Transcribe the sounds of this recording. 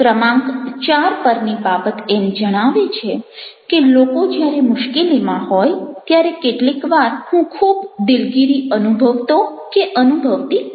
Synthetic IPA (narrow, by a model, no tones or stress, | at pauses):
kɾəmãŋɡt͡ʃaɾpəɾnibabət̪emd͡ʒəɽ̃aʋet͡ʃʰekelokod͡ʒjaɾemʊʃkelimãhojt̪jaɾekeʈlikʋaɾhũkʰubd̪ɪlɡiɾiənubʱəʋt̪okeʔənubʱəʋt̪i